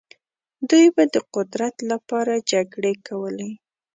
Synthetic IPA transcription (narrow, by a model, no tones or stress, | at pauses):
d̪ujbad̪əqʊd̪ɾat̪lapɑɾad͡ʒaɡɽekawəlaj